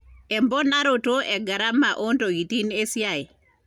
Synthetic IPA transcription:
ɛ˨mbɔ˦na˦ɾo˨to˦ʔɛ˨ɡa˨ɾa˦ma˨ʔo˦nto˨ɡi˨ti˦ne˦sja˨e˨

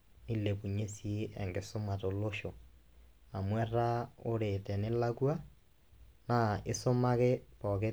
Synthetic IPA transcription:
ni˦le˨pu˨ɲe˦si˦ɛ˨ŋɡe˨so˦ma˨to˨lo˦ʃo˨ | a˨mwɛ˦ra˦o˦ɾe˨tɛ˨nɪ˦la˦kwa˦ | na˨ɪ˦so˦ma˦ke˦pɔ˨ke˦

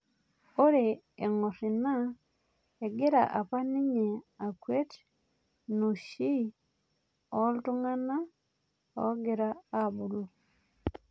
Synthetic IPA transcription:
o˦ɾe˨ | e˨ŋɔ˨ɾi˨na˦ | e˨ɡɪ˦ɾa̰˨ʔa˨pa˦ni˦ɲe˨a˨kwe˦t | no˨ʃi˦ | ɔ˦ltu˦ŋa˦na˦ | ɔ̰˨˦ɡɪ˨ɾa˦a˦bu˨lu˨

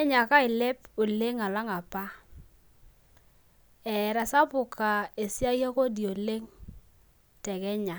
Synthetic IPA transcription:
ɛ˦ɲa˨ka˦ɪ˨lɛ˦po˨le˦ŋa˨la˦ŋa˨pa˦ | ɛ˨ɾa˨sa˦pʊ˨kʰa˨e˨sja˦ja˦ko˦di˨o˨le˦ŋ | tɛ˨kɛ˦ɲa˨

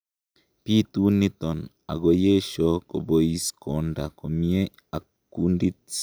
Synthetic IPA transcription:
pi˦t̪u˦ni˦t̪o˨n | a̰˨ɡo˧je˦ʃo˦ko˨bo˨i˦sko˨nda˨ko˨mie˦ | a˨ | ku˦ndi˦

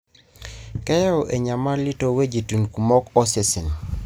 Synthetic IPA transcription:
kɛ˦jɛ˦o˨ʔe˨ɲa˨ma˦li˦to˦we˦d͡ʒi˨tu˨nku˨mɔ˦kɔ˦se˦si˨n˨

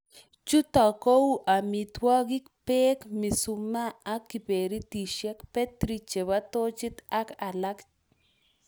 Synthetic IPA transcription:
t͡ʃu˦t̪a˨ko˦wʔa˨mi˨t̪wɔ˦ɡi˦kpe˦kmi˨sumaː˦kːi˨pe˨ɾi˦t̪i˨ʃe˦kpe˦t̪ɾit͡ʃe˨βat̪o˦t͡ʃi˦t̪a˦kalak

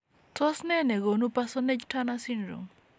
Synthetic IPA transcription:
tɔ˦snɛ˦nɛ˨ɡo˨nu˦pasɔ˦nɛ˦d͡ʒta˦nasinɾo̰˨m

